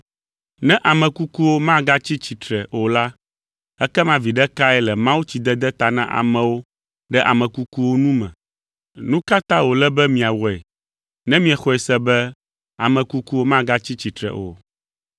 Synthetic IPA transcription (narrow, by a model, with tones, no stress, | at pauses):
nɛ̃˦ʔa˨mɛ̃˨ku˦ku˦wo˦mã˦ɡa˦t͡ɕi˦t͡ɕi˨t̪ɾɛ˨o˨la˦ | ɛ˦kɛ˦mã˦vi˨ɖɛ˦ka˦ɛ˦lɛ˨mã˦wu˦t͡ɕi˨d̪ɛ˦d̪ɛ˦t̪a˨nã̰˦ʔa̰˨mɛ̃˨wo˦ | ɖɛ˦ʔa̰˨mɛ̃˨ku˦ku˦wo˦nũ˦mɛ̰̃˨ | nũ˦ka˦t̪ã˦wo˨lɛ˦bɛ˦mĩ˨a˨wɔ˨ɛ̰˨ | nɛ̃˦mĩ˦ɛ˨xɔ˦ɛ˨sɛ˦bɛ˦ | a˨mɛ̃˨ku˦ku˦wo˦mã˦ɡa˦t͡ɕi˦t͡ɕi˨t̪ɾɛ̰˨ʔo̰˨